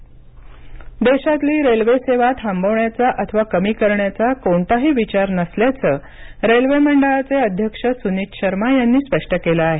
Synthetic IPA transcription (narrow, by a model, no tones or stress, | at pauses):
d̪eɕat̪liːɾelʋeseʋat̪ɦambʱəʋɳjat͡saʔət̪ʰəʋakəmiːkəɾɳjat͡sakoɳt̪aɦiːʋit͡ɕaɾnəsljat͡səː | ɾelʋeməɳɖəɭat͡seəd̪ʱjəkʂəsunit̪ɕʰəɾmajanːiːspəʂʈəkelaːɦe